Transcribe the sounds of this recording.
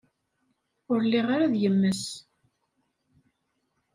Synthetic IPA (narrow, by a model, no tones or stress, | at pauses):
ʊɾlːiʁaɾaðjəmːəs